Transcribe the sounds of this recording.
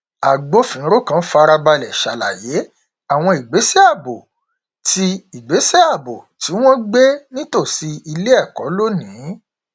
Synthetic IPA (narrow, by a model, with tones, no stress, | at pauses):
a˨ɡ͡bo˨˦fĩ˨˦ɾo˦kã˦fa˧ɾa˧ba˧lɛ˨ʃa˨la̰˨je˨˦ | a˦˨w̃ɔ̃˧i˨ɡ͡be˨˦se˦a˦˨bo˨ | ti˧i˨ɡ͡be˨˦se˦a˦˨bo˨ti˨˦w̃ɔ̃˦ɡ͡be˦nĩ˦to˦˨si˧i˧le˦ɛ˦˨kɔ˨˦lo˦nĩ˨˦